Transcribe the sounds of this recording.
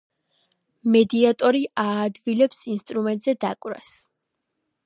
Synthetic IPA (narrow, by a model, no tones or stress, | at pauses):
mɛd̪iat̪ʼɔɾiʔaːd̪vilɛpsinst̪ʼɾumɛnt̪ʼzɛd̪a̰kʼɾa̰s